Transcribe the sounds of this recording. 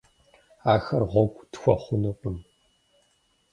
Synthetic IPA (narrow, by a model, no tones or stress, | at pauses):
aːxɐrʁʷɔɡʷʼtxʷɔχʷʊnɐpʼɨm